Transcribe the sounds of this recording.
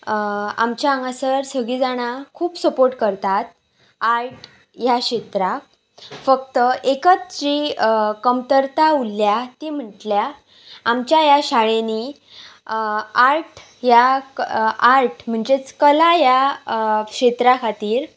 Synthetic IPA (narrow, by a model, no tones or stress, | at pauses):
a̰mt͡ɕjaə̃ŋɡasəɾsəɡɭid͡zaɽ̃akʰuːpsəpoɾʈkəɾt̪at̪ | aɾʈ | jaɕet̪ɾa | fək̚t̪əekət͡sd͡ʑikəmt̪əɾt̪aulːjat̪im̤əʈlja | amt͡ɕjajaɕaɭeni | aɾʈ | ja | aɾʈm̤əɳd͡ʑet͡skəlaja | kɕet̪ɾakʰat̪iːɾ